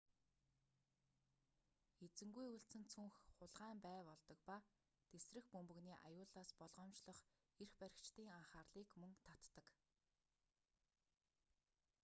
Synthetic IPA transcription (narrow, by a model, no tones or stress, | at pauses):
et͡sɘ̆ŋɡujuɬt͡sɘ̆nt͡sʰɵŋxχʊɮʁaːmpæːpɔɮt̪ɞ̆kpa | t̪esrɘ̆xpɵmpɵ̆ɣniːʔa̰jʊːɮaːspɔɮʁɔːmt͡ɕɮɞ̆χ | erxpæɾʲɪ̆kt͡ɕt̪iːŋaɴχaːrɮiːkmɵŋt̪ʰat̪ːə̆k